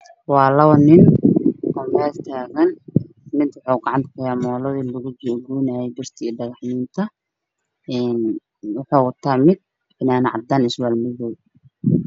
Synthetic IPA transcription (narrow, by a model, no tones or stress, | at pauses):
wɑːlɐwɐnɪn | ɔːmɛːlt̪ʰaːɣɐn | mɪd̪wʊħuɡɑʕɑnt̪kʰɐjamɔːlɔðilʊɣʊd͡ʒɔɡuːnajɛjd̪ɪrt̪ʰiːɖɐɣɑħniːnt̪ʰɐ | ʔɛːn | wʊħuːʊt̪ʰaːmɪd̪̚ | ɪnaːnʕɑ̰d̪aːnɪswaːlmʊðɔːw